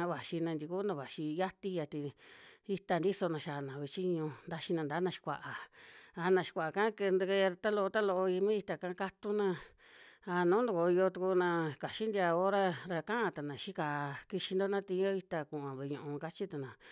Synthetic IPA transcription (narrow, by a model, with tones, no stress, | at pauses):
βa˨ʃi˧nã˧nd̪i˧ku˦nã˧βa˨ʃi˧ja˦t̪i˧ja˧t̪i˧i˧t̪a˧nd̪i˦so˧nã˧ʃa˨nã˨βe˧˨t͡ʃi˦ɲũ˧nd̪a˧ʃi˧nã˧nd̪aː˨˦nã˧ʃi̥˧kʷa̰˨ʔa˨a˧nã˧ʃi̥˧kʷa˨a˨kã˦ke˧nd̪ke˧ɾa˧t̪a˦lo˧t̪a˦lo˧ʔo˧i˧mĩ˦i˧t̪a˧˨kã˧˦ka˦t̪u˦nã˧ | a˧nũː˨˦nd̪u˧ko˨˧jo˧t̪u˧ku˧nã˧ka˨ʃi˦nd̪i˧a˧o˦ɾa˧ɾa˧kã˦ã˧t̪a˨nã˨ʃi˦ka˧˨˧ki˧ʃi˧nd̪o˦nã˦t̪i˧˦o˦i˧t̪a˧kũ˨ʔã˨βe˧˨˧ɲũ˧˨ũ˧ka˧t͡ʃi˦t̪a˧nã˨